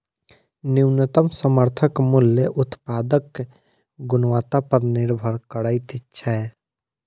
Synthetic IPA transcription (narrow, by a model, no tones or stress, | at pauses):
nɪwnət̪əmsəməɾt̪ʰəkmʊljəʔʊt̪paːd̪ək | ɡʊnwaːt̪apəɾnɪɾbʱəɾkəɽaːit̪ɪtːʃʰaɛ